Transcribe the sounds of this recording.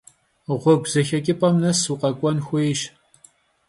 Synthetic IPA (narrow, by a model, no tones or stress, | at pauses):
ʁʷɔɡʷz̥ɐxɐkʲʼɪpʼɐmnɐsuqɐkʷʼɔnxʷejʃ